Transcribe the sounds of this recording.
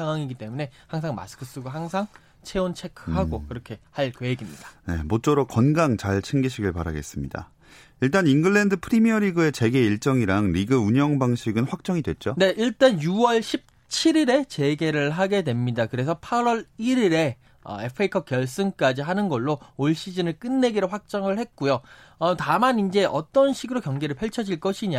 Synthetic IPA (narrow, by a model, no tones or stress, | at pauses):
aŋɦwaŋiɡit͈e̞mune̞haŋsʰaŋma̰sɯ̥kʰɯs͈uɡoɦaŋsʰaŋ | t͡ɕʰe̞ont͡ɕʰe̞kʰhaɡokɯɾʌkʰe̞haɭkweeɡimɲid̥ḁne̞̰mot͡ɕ͈oɾokʌnɡaŋt͡ɕaɭt͡ɕʰeŋɡiɕʰiɡɯɭpaɾa̰ɡe̞̰s͈ɯmɲida̰ | iɭt͈aninɡɯɭːendɯpʰɯɾimiʌɾiɡɯe̞t͡ɕe̞ɡe̞iɭt͡ɕ͈ʌŋiɾaŋɾiɡɯuɲjʌŋbaŋɕʰiɡɯnɸwak̚t͡ɕ͈ʌŋidwe̞̰t͡ɕ͈one̞iɭt͈anjuwʌɭɕʰip̚ | t͡ɕʰiɾiɾe̞t͡ɕe̞ɡe̞ɾɯɭɦaɡe̞dwe̞mɲidakɯɾe̞sʰʌpʰaɾwʌɾiɾiɾe̞ | ʌ̰e̞pʰɯikʰʌkjʌɭs͈ɯnk͈ad͡ʑiɦanɯnɡʌɭːooɭɕ͈id͡ʑinɯɭk͈ɯnːe̞ɡiɾoɸwak̚t͡ɕ͈ʌŋɯɭhe̞t̚k͈ujo | ʌtamanind͡ʑe̞ʔʌt͈ʌnɕʰiɡɯɾokjʌŋɡe̞ɾɯɭpʰʌɭt͡ɕʰʌd͡ʑiɭk͈ʌɕʰiɲa